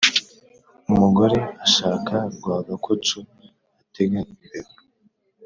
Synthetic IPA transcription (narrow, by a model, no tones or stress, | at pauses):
umuɡo̞ɾe̞aʃaːkʰaɾɡwaːɡakʰot͡ʃu | ateɡaiɾeba